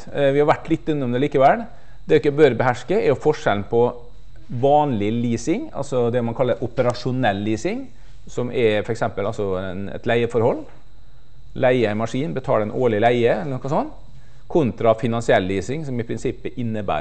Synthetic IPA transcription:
ʋɪhɑɾʋæʈːlɪt̪ːʉnːɔmd̪ɛliːkəʋɛl | d̪̥ɛɪkːəbøːɾəbɛɦæʂkəɛɾʊfɔʂɛln̩pʰɔ | ʋɑːnlɪliːsɪŋɑ̰lsɔd̪ɛɔmɑnkʰɑlːəɾʔʊpəɾɑʂʊnɛlːiːsɪŋ | sɔmʔɛɾfɔɾɛksɛmpəlɑlsɔɛnɛ̰t̪læɪəfɔɾhɔlː | læɪəmɑʂiːnbət̪ʰɑ̰ːlɛnoːɭɪlæɪəɛlːənɔkɑsɔnː | kʰʊnt̪ɾɑfɪnɑnsɪɛlːiːsɪŋsɔmɪpʰɾɪnsɪpːəʔɪnːəbæ̰ːɾ

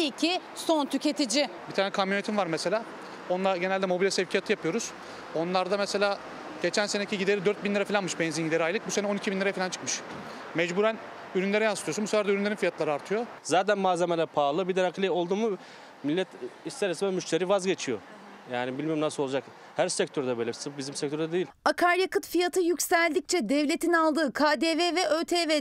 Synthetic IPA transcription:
icʰi | sont̪ʰycʰe̞t̪ʰid͡ʒɪbit̪ʰaːnɛkʰamjonet̪ʰimvaɾmɛse̞lʲaː | o̞nlˠaɾɟe̞nælʲd̪ɛmo̞bilʲɛsevcʰijat̪ʰɯjapʰɯjo̞ɾuz̥ | o̞nlˠaɾd̪amɛse̞lʲaː | ɟ̥e̞t͡ʃʰænseneicʰiɟid̪e̞ɾid̪øɾt̪̚binlʲiɾafilʲanmɯʃbɛnzinɟid̪eɾiajlˠɯk̚busenɛo̞nicʰibinlʲiɾafilʲant͡ʃʰɯ̥kmɯʃ | mɛd͡ʒbuɾæn | yɾynlʲe̞ɾɛjanst̪ʰuosunbuseæɾd̪ɛyɾynʲeɾinfijat̪lˠaɾɯaɾt̪ʰɯjozaːt̪ʰænmaːzemelʲæpʰaːlˠɯbid̪ɛɾakʰlʲio̞lˠd̪uːmu | milʲːɛt̪ist̪ʰeɾesiɛmyʃt̪ʰeɾiːvazɟe̞t͡ʃʰijo | jaːnibilʲmijmnasɯolˠud͡ʒak | hæɾsɛc̚t̪ʰøɾd̪abølʲɛsɯbizimsɛc̚t̪ʰøɾd̪ɛd̪ejilʲakʰaɾjakɯt̪fijat̪ʰɯjycʲsælʲd̪ic̚t͡ʃʰɛd̪ɛvlʲet̪ʰinalˠd̪ɯːkʰaːd̪eːvɛvɛʔøt̪ʰeːvɛ

